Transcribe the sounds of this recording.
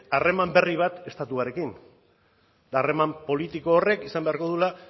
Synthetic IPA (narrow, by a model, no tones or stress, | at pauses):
are̞mambe̞riβ̞at̪e̞st̪at̪uaɾe̞kin | d̪aːre̞mampo̞lit̪iko̞ːre̞kisambe̞aɾko̞ðula